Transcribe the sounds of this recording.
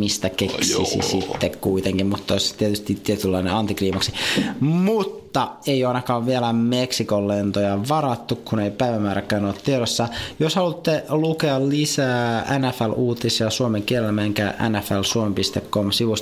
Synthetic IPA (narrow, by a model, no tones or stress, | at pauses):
mist̪ækeksḭsḭsit̪ːekkuit̪eŋkimmut̪ːoist̪iet̪yst̪it̪t̪ːiet̪ylːɑineɑnt̪ikriːmɑksimut̪ːɑeijoɑinɑkɑːʋʋielæmeksikolːent̪ojɑʋɑɾɑt̪ːukkuneipæiʋæmːæːɾækːˑæːnoːt̪t̪ːieɾosːɑjoshɑlut̪ːelukeɑllisæːænæfæluːt̪isjɑsuomeŋkielelmeŋkæʔæ̰næfælsuomempist̪ekːomsiʋus